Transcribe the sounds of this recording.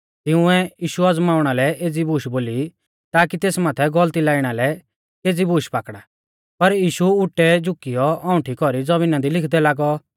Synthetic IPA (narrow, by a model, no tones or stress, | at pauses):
t̪ɪʊ̃ɛjiːʃuɐd͡zmaːʊɽ̃alɛʔeːd͡zibuːʃboːli | t̪aːkit̪eːsmaːt̪ʰɛɡɔlt̪ilaːɪɽ̃alɛ | eːd͡zibuːʃpaːkɽa | pɐɾjiːʃuʊʈːɛd͡ʒʊkijɔɔ̃ʊ̃ʈʰikɔɾid͡zɐmɪnãd̪ilɪkʰd̪ɛlaːɡɔ